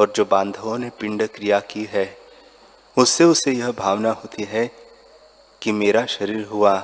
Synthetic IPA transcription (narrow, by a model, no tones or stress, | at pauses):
ɔːɾd͡ʒoːbãːnd̪ʱõnepɪ̃ɳɖkɾijakiɦɛː | ʊsːeʊsːejɐɦbʱaːʋnaɦoːt̪iɦɛ | kimeːɾaʃɐɾiːɾɦʊa